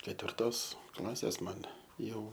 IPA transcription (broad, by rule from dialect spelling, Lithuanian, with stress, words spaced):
kʲɛtʲʋʲɪrˈtoːs ˈklˠɑːsʲeːs ˈmɐn ˈjɛʊ